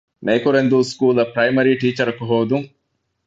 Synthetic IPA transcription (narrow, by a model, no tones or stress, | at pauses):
meːkuɾend̪uːskuːlɐpɾɐjmɐɾiːʈiːt͡ʃɐɾɐkuɦoːd̪uŋ